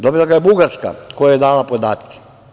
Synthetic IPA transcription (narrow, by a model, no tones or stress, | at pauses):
d̪obilˠaɡajebuɡaɾska̰kʰojajed̪aːlapod̪aːt̪ke̥